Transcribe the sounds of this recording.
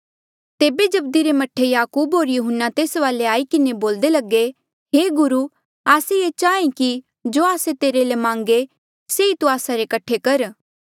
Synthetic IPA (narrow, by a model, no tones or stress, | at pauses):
t̪eːbed͡ʒɐb̚d̪iɾemɐʈʰejaːkuːbɦoːɾjʊɦʊnːat̪eːsʋaːleaːikɪneboːld̪elɐɡe | ɦeːɡʊɾu | aːsejet͡ʃaːẽki | d͡ʒoːaːset̪eːɾelemãːŋɡe | seit̪uaːsaɾekɐʈʰːekɐɾ